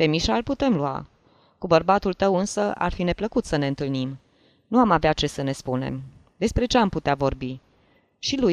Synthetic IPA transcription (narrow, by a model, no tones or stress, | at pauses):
pe̞miʃalput̪e̞mlua̰ | kubərbat̪ult̪əwɨnsəʔa̰rfine̞pləkut̪səne̞ɨnt̪ɨlnim | nuamaveat̪̚t͡ʃe̞səne̞spune̞̰m | d̪e̞spɾe̞t͡ʃeamput̪eavo̞rbi | ʃiluj